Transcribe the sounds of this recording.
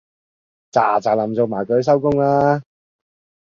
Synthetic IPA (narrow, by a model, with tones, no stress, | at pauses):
t͡sa̰ː˨˩t͡saː˨˩lɐ˨˩mt͡so˨˧wmaː˨˩jkɵ˨˧ɥs̬ɐ˥wkʊ˥ŋaː˧